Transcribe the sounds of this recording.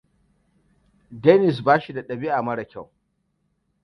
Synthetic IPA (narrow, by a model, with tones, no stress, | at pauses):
dɛː˦nɪ˨s̬baː˦ʃi˨da˨ɗɐ˨bi˦ʔa˨mɐ˦ɽɐ˨kʲa˦˨w